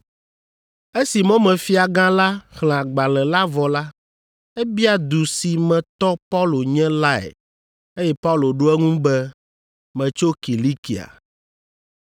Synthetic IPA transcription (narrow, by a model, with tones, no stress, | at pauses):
e˦si˨mɔ̃˦mɛ̃˨fi˦a˨ɡã˦la˦xl̃ã˨ɡ͡ba˨lɛ˨la˦vɔ˨la˦ | ɛ˦bi˦a˨d̪u˨si˨mɛ̃˨t̪ɔ˦pa˦wlo˨ɲɛ̃˦la˦ɛ̰˨ | e˦jɛ˦pa˦u˦lo˨ɖo˦ɛ˦ŋũ˦bɛ˦ | mɛ̃˨t͡ʃo˦ki˨li˦kḭ˨a̰˨